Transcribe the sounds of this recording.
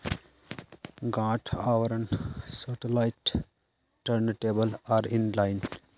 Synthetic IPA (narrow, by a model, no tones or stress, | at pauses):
ɡãːʈʰaʋəɾə̃ɳsaʈelaɪʈ | ʈəɾnʈeːbəlaːɾɪ̃nlãɪn